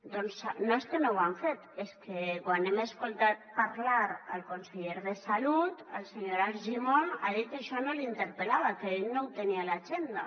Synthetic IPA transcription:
d̪onsanoeskenowaɱfet̪eskekwanemaeskolˠt̪at̪̚paɾlaɾalkonseʎeɾðesalut̪əlseɲoɾalʒimonaðit̪eʃɔnolint̪eɾpelaβ̞akeeʎnowt̪enialaʒend̪a

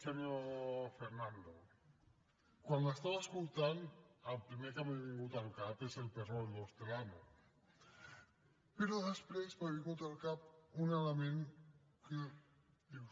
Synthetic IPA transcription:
seɲofeɾnand̪o | kwanəst̪aβəskulˠt̪anəlpɾimekameβiŋɡut̪əlˠkapezelpəɾold̪owst̪elamo | pəɾoðəspɾezmaβiŋɡut̪əlˠkap̚unələmẽn | kə | iw

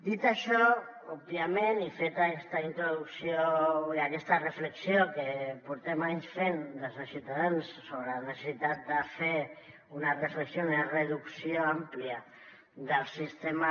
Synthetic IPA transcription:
d̪it̪aʃɔ | ub̚biamenifet̪akɛst̪aint̪ɾuðuksjoiakɛst̪ərəfləksjokəpuɾt̪ɛmaɲsfend̪əlznəsiuwt̪aðansːoβɾənəsəsit̪at̪̚d̪əfe | unarəfləksjounərəðuksioampliə | d̪əlˠsist̪ema

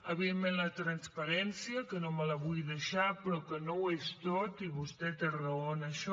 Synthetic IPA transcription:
əβiðemmẽnlət̪ɾənspəɾɛnsiəkənomələβujðəʃapɾɔkənowest̪ot̪iβust̪ɛt̪erəonəʃɔ

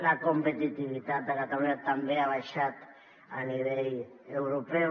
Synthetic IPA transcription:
lakompet̪it̪iʋit̪at̪akat̪olet̪ːambeaʋaʃat̪ | a̰niʋei | euɾope

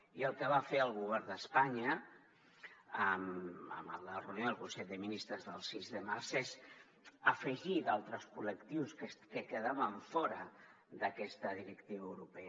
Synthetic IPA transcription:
iəlˠkəβ̞afeəlˠɣuβ̞ɛrnd̪əspaɲə | əmə̰mələrəunjoəlˠkunseʎdðəminist̪ɾəzðəlˠsizðəmaɾzez | əfəʒiðalˠt̪ɾəskuləkt̪iwskəkəkəðaβəɱfɔɾə | d̪əkɛst̪əðiɾəkt̪iβəwɾupe

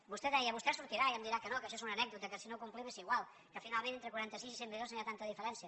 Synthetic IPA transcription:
bust̪ɛðɛjəβust̪ɛsuɾt̪iɾaiəmd̪iɾakənokəʃɔezunənɛɡ̚d̪ut̪əkəsinokumpliβesiɣwalˠ | kəfinalˠmẽnent̪ɾəkwuɾant̪əsizisembeðoznajat̪ant̪əðifəɾɛnsiə

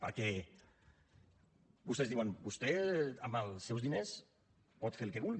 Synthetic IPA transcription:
pə̰ɾkɛ | bust̪ezðiwanbust̪ɛaməlsːɛwzðines | pɔt̪feɾlkeβulɣi

